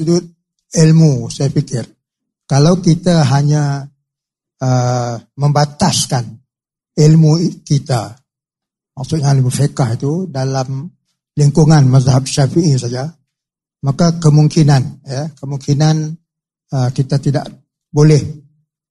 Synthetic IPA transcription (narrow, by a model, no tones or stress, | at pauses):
sudʊt̪̚ | ilmusajapikɪr | kalawkit̪aɦaɲa | əməmbat̪askan | ilmukit̪a | maksuʔɲalibəfekahɦit̪udalam | liŋkuŋanmazaɦap̚ʃafiʔisaja | makakəmuŋkinanjəkəmuŋkinan | əkit̪at̪ida̰ʔ | bolɛh